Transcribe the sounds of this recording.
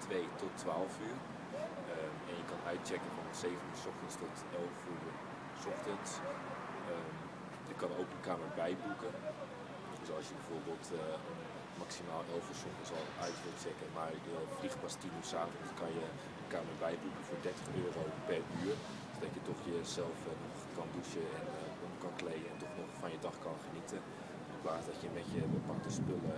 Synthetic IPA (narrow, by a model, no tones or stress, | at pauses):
tʋejtɔtʰːʋaːlˠfyːr | ə | ɛnjəkɑnœɥt̚t͡ʃɛkənfɑnənsejvənyːɹsɔχtənstɔt | ɛlˠfu | sɔxtəns | ə | jəkɑnowkdəkaːmərbɛjbukən | døsɑlˠsjəbɛv̥oːɹbeːlˠtʰən | maksimaːlˠɛlˠfəsʊŋkənzɑlˠœɥtrəksɛkənmaɹjəfliχpɑstinysaːfənskɑnjə | əkaːmərbɛjbukəfoːɹdɛɹtəχøːrowpɛryːr | odɑtjətɔχjəzɛlˠfnɔχkɑnduʃəɛn | ɔkɑnklejəɛntɔχnɔχfɑnjədɑχkɑnχənitə | ɪnplaːsdɑtjəmɛtjəbəpɑk̚təspølə